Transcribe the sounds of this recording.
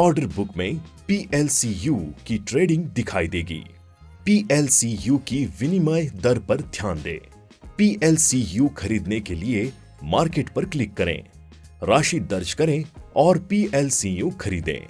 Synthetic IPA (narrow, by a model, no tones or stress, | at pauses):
ɔːɾɖəɾbʊkmẽpiːʔɛːlsijuːkiʈɾeːɖɪ̃ŋɡd̪ɪkʰaːid̪eːɡḭː | piːʔɛːlsijuːkiʋɪnɪmaːjd̪ɐɾpɐɾd̪ʱjaːnd̪ḛ̃ː | piːʔɛːlsijuːxʰɐɾiːd̪nekelie | maːɾkeːʈpɐɾklɪkːɐɾḛ̃ː | ɾaːʃid̪ɐɾd͡ʒkɐɾẽɔːɾpiːɛːlsijuxʰɐɾiːd̪ḛ̃ː